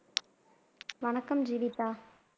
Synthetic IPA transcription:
ʋɐɳɐkːɐmd͡ʒiːʋɪt̪ːaː

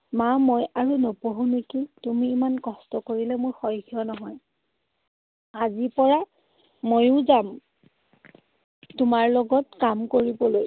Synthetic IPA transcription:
mamojaɹunopoɦũnekitumiːmankɔstɔkoɹilɛmʊɹxɔjɡijɔnɔɦɔj | azipɔɹa | mojʊ̃zam | tumaɹlɔɡɔtkamkoɹibɔloj

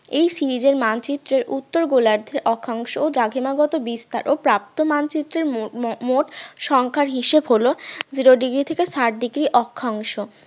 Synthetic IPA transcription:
ejsiɾid͡ʑeɾmant͡ɕit̪ːɾeɾʔut̪ːoɾɡolaɾd̪ʱeɾʔɔkʰːaŋʃood̪ɾaɡʱimaɡɔt̪obist̪a̰ɾʔopɾap̚t̪omant͡ɕit̪ːɾeɾmoʈʃɔŋkʰaɾɦiʃebɦolod͡ʑiɾoɖiɡɾit̪ʰekeʃaʈ̚ɖiɡɾiʔɔkʰːaŋʃo

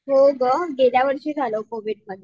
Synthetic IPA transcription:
ɦoɡəɡeljaʋəɽɕeːd͡zʱalokoʋiɽməd̪ʱːj

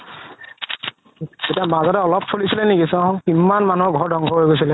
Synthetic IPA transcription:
etiamazɔtɛɔlɔp̚solisilɛnekisɔ̃kimːanmanuɔɡʱɔɹdɔŋɡʱɔɦojɡojsilɛ

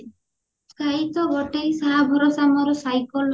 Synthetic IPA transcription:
skʰait̪ɔbɔʈejsaɦabʱɔɾɔsamɔɾɔsajkɔl

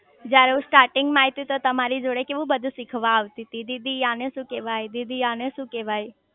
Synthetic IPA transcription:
d͡ʒjaɾeũsʈaːɾʈɪŋɡmaːɦit̪it̪ot̪ɐmaɾid͡ʒoɽekeʋũbəd̪ʱusɪkʰʋaːʋt̪it̪id̪id̪ʱijaːnẽsũkeʋaːid̪id̪ʱijaːnẽsũkeʋaːj

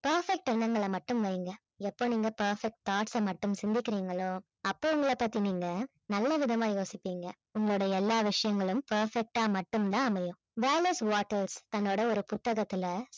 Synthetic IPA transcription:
pɐɾfɛk̚ʈɪɾɳɐŋɡɐɭɐmɐʈːɯmʋɐjŋɡɐ | ɛpːoːniːŋɡɐpɐɾfɛk̚ʈ̚t̪aːʈsɐmɐʈːɯmsɪnd̪ɪkːɪɾiːŋɡɐɭoː | ɐpːoːʊŋɡɐɭɐpaːɾt̪iniːŋɡɐ | nɐlːɐʋɪðɐmaːjoːsɪpːiːŋɡɐ | ʊŋɡɐɭoːɽɐɛlːaːʋɪʂɐjɐŋɡɐɭɯmpɐɾfɛk̚ʈaːmɐʈːɯmt̪ãːɐmɐjʊ̃ | ʋeːlɐsʋaːʈːɐɾst̪ɐnːoːɽɐɔɾɯpʊt̪ːɐɣɐt̪ːɪlɐ

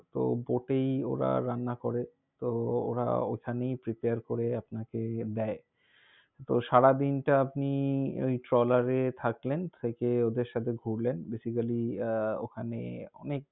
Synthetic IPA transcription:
t̪o̰boʈejo̰ɾa̰ɾanːakoɾe | t̪oo̰ɾa̰okʰanejpɾipeaɾkoɾeapnaked̪ɛe | t̪oʃaɽad̪inʈaapniojʈɾɔlaɾet̪ʰaklent̪ʰekeod̪eɾʃat̪ʰeɡʱuɾlenbesikaliokʰanḛɔ̰nek̚

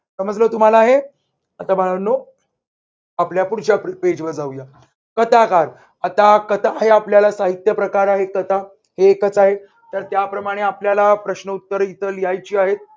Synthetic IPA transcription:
səməd͡zlot̪um̤alaːɦe | at̪aməɭanːo | apljapuɽt͡ɕjapped͡ʑbəd͡zauja | kət̪akaɾ | at̪akət̪aːɦeapljalasaɦit̪jəpɾəkaɾaɦekət̪a | heːkət͡saɦe | t̪əɾt̪japɾəmaɽ̃eapljalapɾəɕnəut̪ːəɾit̪əlijajt͡ɕiːaɦet̪̚

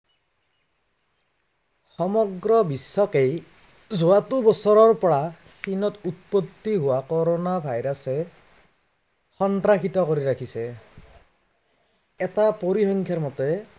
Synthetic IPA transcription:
xɔmɔɡɹɔbisːɔkej | zʊwatubɔsɔɹɔɹpɔɹasinɔtut̪̚pot̪ːiɦʊwakɔɾonabʱajɾasɛ | xɔntɾaxʰitɔkoɹiɾakʰisɛ | ɛtapoɹixɔŋkʰjaɹmɔtɛ

